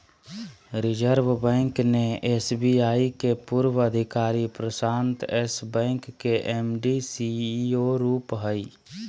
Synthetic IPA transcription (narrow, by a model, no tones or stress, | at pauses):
ɾɪd͡ʒəɾʋbɛ̃ːŋkneeːsbiaːikepuːɾwəəd̪ʱɪkaːɾipɾəsaːnt̪ɛsbɛ̃ːŋkːeʔemɖisioɾuːpɦəi